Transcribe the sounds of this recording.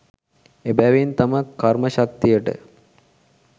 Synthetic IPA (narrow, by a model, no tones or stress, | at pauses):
ebæʋint̪amakːarməɕakt̪ijəʈə̰